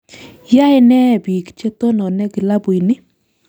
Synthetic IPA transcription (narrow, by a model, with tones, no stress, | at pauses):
ja˦ɪ˦nɛ˦˨bi˨kt͡ʃe˦t̪o˦nɔ˨nɛ˦ɡɪ˨la˦bʊ˨i˨nɪ˦